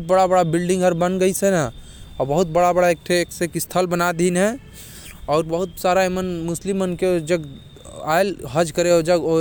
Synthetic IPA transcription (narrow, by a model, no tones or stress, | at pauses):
t̪̚bəɽabəɽabilɖĩŋɡɦəɾbənɡəjsɛnə | ɔɾbəɦut̪̚bəɽabəɽaek̚ʈʰeksekist̪ʰəlbənad̪inɦɛ̃ | ɔːɾbəɦut̪saɾaemənmuslimənkeod͡ʒəɡ | a̰elɦəd͡ʒkəɾeod͡ʒəɡo